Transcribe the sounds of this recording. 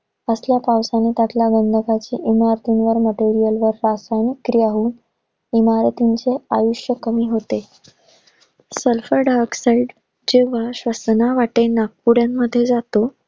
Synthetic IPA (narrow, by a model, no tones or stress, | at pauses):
əsljapawsanːit̪at̪ljaɡənd̪ʱəkat͡ɕḭːʔimaɾət̪inʋəɾməʈeɾijəlʋəɾːasajnikːɾijaɦuːn | imaɾt̪iɲt͡seajuɕjəkəmiːɦot̪e | səlfəɾɖaɾksaiɖ | d͡ʑeʋ̤aɕʋəsnaʋaʈenak̚puɽjamːəd̪ʱːjed͡zat̪o